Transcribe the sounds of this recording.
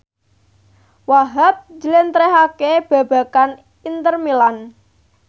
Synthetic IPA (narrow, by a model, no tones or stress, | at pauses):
waɦat̪̚d͡ʒəlent̪ɾɛɦakeb̥ä̤b̥a̤kan | int̪ərmilan